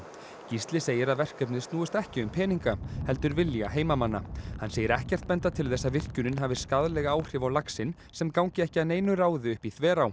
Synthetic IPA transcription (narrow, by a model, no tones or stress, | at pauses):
cist̪lɪseːjɪɾaðvɛr̥kœpnɪðst̪nuːʏst̪ɛhcɪʏmpʰɛːniŋkahɛlt̪ʏɾvɪljaɦeːjmamanːahanːseːjɪɾɛhcɛr̥t̪̚pɛnt̪at̪ʰɪlθɛsːaðvɪr̥cʏnʏnɦaːvɪskaðlɛɣaaːwr̥ɪvawlaksɪn | sɛmkawɲcɪɛhcɪaðneːjnʏɾaːwðɪʏhpiθvɛːɾaw